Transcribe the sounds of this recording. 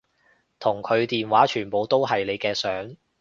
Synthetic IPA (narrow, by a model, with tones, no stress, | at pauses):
t̪ʰʊ˨˩ŋkʰɵ˨˧ɥt̪iː˨nwaː˨˥t͡ʃʰyː˨˩npo˨˧wt̪o˥wɦɐ˨jle˨˧jkɛː˧sœː˨˥ŋ